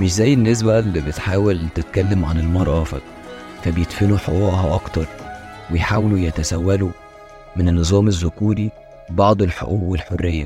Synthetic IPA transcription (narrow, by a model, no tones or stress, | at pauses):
meʃzæjːenːes̬bælːibet̪ħaːwelt̪et̪kælːæmʕanelmɑɾˤɑːfed̪ˤ | fæbjet̪fenuħoʔuʕhɑʔɑkt̪ɑɾˤ | wejħaːwelujæt̪æsæwːælu | menenːɨzˤɑːmezːʊkuːɾi | bɑʕd̪ˤelħo̰ʔuːwelħorːejːæ